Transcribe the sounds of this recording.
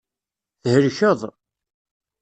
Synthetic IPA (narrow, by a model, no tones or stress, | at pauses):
θhəɾçəðˤ